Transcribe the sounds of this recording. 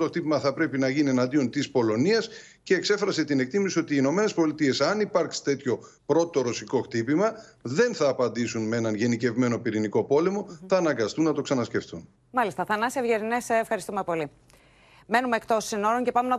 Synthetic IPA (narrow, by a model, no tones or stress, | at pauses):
t̪oxt̪ipimɐθɐpɾe̞pinɐʝinie̞nɐnd̪io̞nt̪ispo̞lo̞niɐs | ce̞ːkse̞fɾɐse̞t̪ine̞kt̪imisio̞t̪iːno̞me̞ne̞spo̞lit̪ie̞sɐnipɐɾksi̥t̪e̞t̪ço̞ | pɾo̞t̪o̞ɾo̞siko̞xt̪ipimɐðe̞nθɐːpɐnd̪isunmeenɐnʝe̞nice̞vme̞no̞piɾiniko̞po̞le̞mo̞θɐːnɐŋɡɐst̪unːɐt̪o̞ksɐnɐsce̞ft̪un | mɐlist̪ɐθɐnɐsevʝeɾinesːfxɐɾist̪ume̞po̞li | me̞numeːkt̪o̞sːino̞ɾonce̞pɐmenɐ